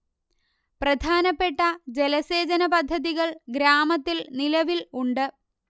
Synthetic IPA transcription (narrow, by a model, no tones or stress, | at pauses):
prɐd̪ʱaːnɐpːe̞ʈːɐd͡ʑe̞lɐse̞ːd͡ʑɐnɐpɐd̪ʱːɐðiɣɐɭɡɾaːmɐt̪ːilnilɐʋiluɳɖɨ